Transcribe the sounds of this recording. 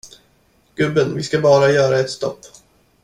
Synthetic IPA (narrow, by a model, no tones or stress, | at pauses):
ɡ̥ɵbːənvɪskabɑːɾajœːɾaɛt̪st̪ɔ̰pː